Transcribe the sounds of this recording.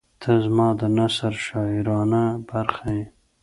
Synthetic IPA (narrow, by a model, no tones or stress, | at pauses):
t̪ʰəzmɑːd̪ənasaɾʃɑɪɾɑnabaɾxaje